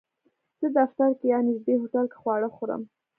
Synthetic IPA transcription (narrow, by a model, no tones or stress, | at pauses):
z̥əd̪aft̪aɾkejɑnɪzd̪ehoʈalkḁxwɑɽəxoɾə̰m